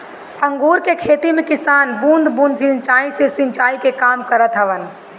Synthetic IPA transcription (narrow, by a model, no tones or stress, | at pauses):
ə̃ŋɡuːɾkekʰeːt̪imẽkɪsaːnbũnd̪bũːnd̪sɪ̃nt͡ʃaːisesɪ̃nt͡ʃaːikekaːmkəɾət̪ɦəʋən